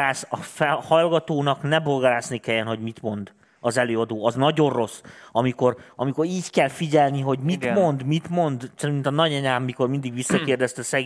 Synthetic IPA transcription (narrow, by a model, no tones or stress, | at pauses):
aːsɒfɛhɒlɡɒt̪oːnɒknɛbolɡaɾaːsnikɛjːɛnɦo̞ɟmit̪mo̞nd̪ | ɒzɛløːɒd̪oːɒznɒɟo̞rro̞sːɒmiko̞rɒmiko̞ɾiːckɛlfiɟɛlniɦo̞ɟmimo̞nd̪mit̪mo̞nd̪sɛɾint̪ɒnɒɟɛɲaːmːiko̞rmind̪iɡʋisːɒkeːrd̪ɛst̪ɛsɛɡ